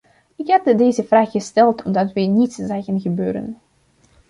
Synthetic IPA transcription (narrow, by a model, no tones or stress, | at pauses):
ɪkɦɛdədeːzəvraːχːəstɛlˠtʰɔmdɑtʋənitszɛjɣənɣəbøːɾə̰n